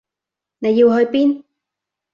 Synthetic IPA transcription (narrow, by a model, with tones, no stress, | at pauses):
ne˨˧jːi˧whɵ˧ɥpiː˥n